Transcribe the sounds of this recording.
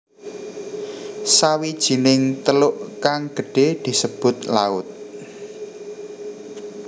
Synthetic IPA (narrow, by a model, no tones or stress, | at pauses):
sawid̥ʒ̥i̤nɪŋt̪əlʊʔkaŋɡ̥ə̤ɖ̥ed̪̥i̤səb̥ʊ̤t̪̚laʊt̪̚